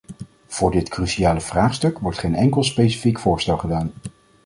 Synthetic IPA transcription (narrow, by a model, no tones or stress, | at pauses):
v̥ʊːɹdɪtkrysiaːləv̥raːχstɵkʋɔɹtχejnɛŋkəlˠspejsi̥fikfʊːɹstɛlˠχədaːn